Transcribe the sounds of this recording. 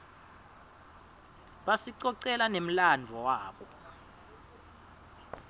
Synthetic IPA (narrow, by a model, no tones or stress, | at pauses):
ɓasiǀɔǀɛlanem̩land͡vʱɔwaːɓɔ